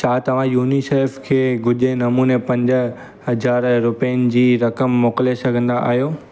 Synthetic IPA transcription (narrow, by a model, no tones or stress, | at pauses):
t͡ɕʰaːt̪ɐʋ̤ãjuːniseɾfkʰeːɡʊʄenɐmuːnepɐ̃ɲd͡ʑə | ɦɐzaːɾɾʊpiənɪ̆d͡ʑiːɾɐkəmːoːklesɐɡʱə̃nd̪aʔa̰ːɦijoː